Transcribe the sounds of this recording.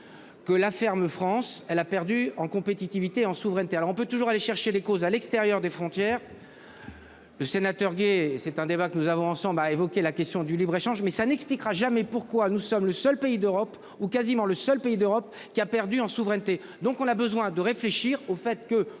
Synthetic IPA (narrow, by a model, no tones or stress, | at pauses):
kəlafɛʁməfχɑ̃sɛlapɛʁd̪yɑ̃kɔ̃pet̪it̪ivit̪eɑ̃suvʁɛnt̪ealɔʁɔ̃p̬øt̪uʒuʁaleʃɛʁʃed̪ekozalɛkst̪eʁjœʁd̪efχɔ̃t̪jɛːʁ | ləsenat̪œʁɡesɛt̪ɛ̃d̪ebakənuzavɔ̃ɑ̃sɑ̃blaevɔkʲelakʲɛst̪jɔ̃d̪ylibʁeʃɑ̃ʒmɛsanɛksplikʁaʒamɛpuʁkwanusɔmləsœlpeid̪øʁɔp | ukazimɑ̃ləsœlpeid̪øʁɔp | kʲiapɛʁd̪yɑ̃suvʁɛnt̪e | d̪ɔ̃kɔ̃nabəzwɛ̃d̪əʁefleʃiʁofɛt̪kə